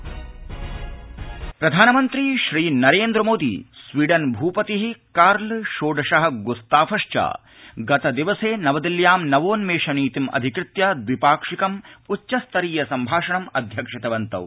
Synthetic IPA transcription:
pɾɐd̪ʱaːnɐmɐnt̪ɾiʃɾiːnɐɾeːnd̪ɾɐmoːd̪ḭːsʋiːɖɐnbʱuːpɐt̪iɦikaːɾlʃoːɖʱɐʂɐɦɐ̆ɡust̪aːfʰɐʂt͡ʃa̰ː | ɡɐt̪ɐd̪iʋɐseːnɐʋɐd̪iljaːmnɐʋoːnmeːʂɐniːt̪imɐ̰d̪ʱikɾɪt̪jɐd̪ʋipaːkʂikɐmutːʃɐst̪ɐɾiːjɐsɐmbʱaːʂɐɳɐmɐd̪ʱjɐkʂit̪ɐʋɐnt̪ɐ̰ʋ

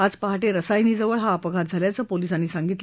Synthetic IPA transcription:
ad͡zpəɦaʈeɾəsajniːd͡zəʋəɭɦaːpəɡʱat̪̚d͡zʱaljat͡səːpoliːsanːiːsaŋɡit̪l

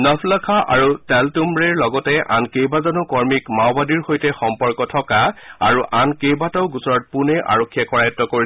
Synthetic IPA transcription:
nɔpʰlakʰaʔa̰ɹutɛltumbɹɛɹlɔɡɔtɛʔa̰nkejbazɔnɔkɔɹmikmawbadiɹxojtɛxɔmpɔɹkɔtʰɔkaaɹuʔankejbatɔʊɡusɔɹɔt̚punɛʔa̰ɹokʰːijakɔɹajɔtːɔkoɹi

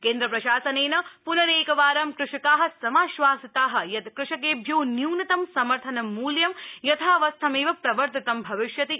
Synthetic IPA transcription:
keːnd̪ɾɐpɾɐʃaːsɐneːnɐpunɐɾeːkɐʋaːɾɐmkɾɪʂɐkaːɦɐ̆sɐmaːʃʋaːsɐt̪aːɦɐ̆jɐt̪kɾɪʂɐkeːbʱjuwnjuwnɐt̪ɐmsɐmɐɾt̪ʰɐnɐmːuːljɐmjɐt̪ʰaːʋɐst̪ʰɐmeːʋɐpɾɐʋɐɾt̪ɐt̪ɐmbʱɐʋɪʃjɐt̪i

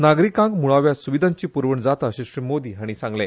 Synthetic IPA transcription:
naɡɾikãŋɡmuɭaʋjasuʋid̪ʱãɲt͡ɕiːpuɾʋəɳd͡zat̪aɕiɕɾimod̪iːɦaɽ̃isãŋɡle

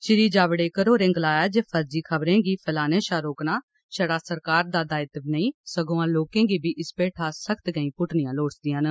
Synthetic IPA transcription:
t͡ʃɪɾiːd͡ʒaːʋɽeːkəɾoːɾɪ̃ŋɡlaːjaːd͡ʒeːpʰəɾd͡ʒiːkʰəbɾẽːɡiːpʰəlaːneːʃaːɾoːknaː | ʃəɽaːsəɾkaːɾd̪aːd̪aːɪt̪bɪnəĩːsəɡoːãːloːkẽːɡiːbʱiːʔɪspeːʈʰaːsəkʰt̪ɡəĩːpʊʈnɪjãːloːɽsd̪ɪjãːn

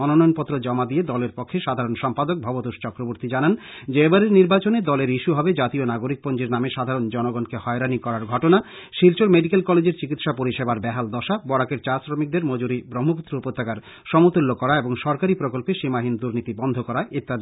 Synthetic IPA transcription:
ɔnonɔjonpɔt̪ːɾod͡ʑɔmad̪ied̪ɔleɾpɔkʰːeʃad̪ʱaɾonʃɔmpad̪ok̚bʱɔbot̪oʃt͡ɕɔkɾoboɾt̪id͡ʑanan | d͡ʑebaɾeɾniɾbat͡ɕoned̪ɔleɾiʃuɦɔbed͡ʑat̪ionaɡoɾik̚pond͡ʑeɾnameʃad̪ʱaɾond͡ʑɔnoɡɔnkehɔeɾanikɔɾaɾɡʱɔʈona | ʃilt͡ɕoɾmeɖikelkɔled͡ʑeɾt͡ɕikit̪ʃapoɾiʃebaɾbɛɦald̪ɔʃabɔɽakeɾt͡ɕaɾsɾomik̚d̪eɾmod͡ʑuɾibɾomːoput̪ːɾoupot̪ːakaɾ | ʃɔmot̪ulːokɔɾaeboŋʃɔɾkaɾipɾokolpeʃimaɦind̪uɾnit̪ibɔnd̪ʱokɔɾaet̪ːa

